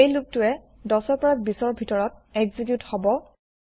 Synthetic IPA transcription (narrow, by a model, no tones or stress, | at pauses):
ejlʊk̚tʊɛ | dɔsɔpɔɹak̚bisɔɹbʱitɔɹɔt̚eɡzikjuthɔbɔ